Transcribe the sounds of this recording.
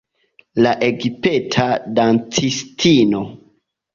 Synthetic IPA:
laʔeɡipetʰadant͡sistʰino̞

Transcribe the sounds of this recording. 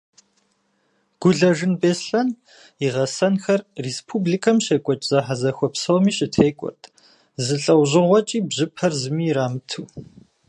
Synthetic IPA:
ɡ̥ʷʊɮɐʒɨnbeːsɬɐn | iʁɐsɐnxɐrːespʰublikʰɐmɕeːkʷʼɔt͡ʃʼz̥ɐħazɐxʷɔpsɐwmiːɕʼɪtʰeːkʷʼɔ̰rtʰ | zɨɬʼɐwʑɪʁʷɔt͡ʃʼiːbʑɨpʰɐrzɨmiːɾaːmɨtʰuː

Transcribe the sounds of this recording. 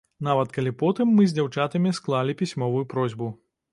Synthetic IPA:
navɐt̪kɐlʲipɔt̪ɨmːɨzʲd͡zʲawt͡ʂat̪ɐmʲisklˠalʲipʲisʲmɔvujupɾɔzʲbu

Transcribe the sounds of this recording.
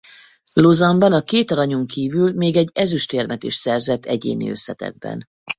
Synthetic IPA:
lozɒmbɒnɒkeːt̪ɒɾɒɲoŋkiːvylmeːɡɛɟːɛzyʃt̪eːrmɛt̪iʃsɛrzɛt̪ʰːɛɟḛːnḭø̞̰sːɛt̪ɛ̰d̪̚bɛ̰n

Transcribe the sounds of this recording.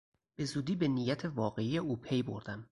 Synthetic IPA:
b̥e̞zuːd̪iːbe̞nijæt̪ʰevɒːɣe̞ijeuːpʰe̞jbo̰ɾd̪æm

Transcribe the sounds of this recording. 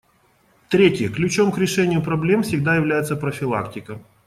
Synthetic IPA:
t̪ɾʲetʲjəklʲʉt͡ɕo̞mkɾʲɪʂɛnʲɪjʊpɾɐblʲe̞mfsʲɪɡ̚d̪ajɪvlʲæjɪt̪səpɾəfʲɪlˠa̰ktʲɪkə

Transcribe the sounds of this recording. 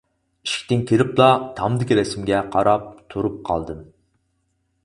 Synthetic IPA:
i̥ʃkʲi̥t̪ɪŋkʲʰiɾɪplˠɑt̪ʰɑmd̪ɪkʲiɾɛsɪmɡʲɛqʰɑɾɑp̚t̪ʰuɾup̚qʰɑ̰lˠd̪ɨm

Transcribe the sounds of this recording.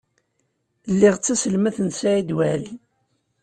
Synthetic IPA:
lːiʁt͡sːæsəlmæθənsæid̪wæl

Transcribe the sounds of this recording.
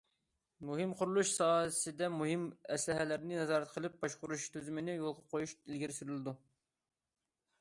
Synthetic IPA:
muɦɪmqʰʊɾulˠuʃsɑːsɪd̪ɛmuɦɪmɛslɪɦɛlɪɾnɪnɛzɑːɾɛt̪qʰəlˠɨp̚bɑʃqʊɾuʃt̪ʰyzɪmɪnɪjolˠqəqʰojuʃilɡʲɪɾsyɾylˠɪd̪u

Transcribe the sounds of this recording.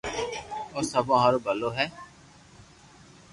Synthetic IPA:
oːsəbãɦãːɾobəloːɦɛː

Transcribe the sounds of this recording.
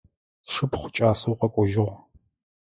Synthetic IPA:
ʂɨpʰχʷʊt͡ʃʼaːsɐwqɐkʷʼɔʒɪʁʷ

